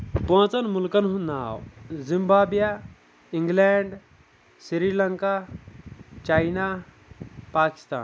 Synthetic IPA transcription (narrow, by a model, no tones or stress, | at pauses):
põːt͡sɐnmulkɐnɦunaːwzimbaːbja | iŋɡleːɳɖ | siɾiːlɐŋka | t͡ʃaːina | paːki̥st̪a̰ːn